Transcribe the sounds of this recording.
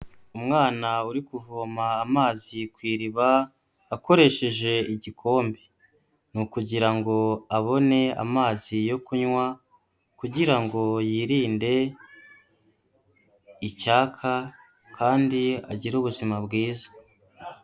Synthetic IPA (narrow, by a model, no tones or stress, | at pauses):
umŋaːnauɾikuvuβamaːmaːzikwiːɾiβaː | ko̞ɾe̞ʃe̞ʒe̞iɟikʰo̞ːmbe | nukuɟiɾaŋɡo̞aβo̞ne̞a̰maːzijo̞kuɲwa | kuɟiɾaŋɡo̞jiːɾiːnde̞ | icaːkʰa | kʰaːndia̰ɟiɾuβuzimabɡiːzḁ